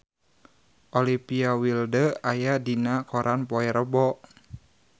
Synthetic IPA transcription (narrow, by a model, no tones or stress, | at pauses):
ʔolipiawildəajadinakɔɾʔanpɔɛɾəbɔʔ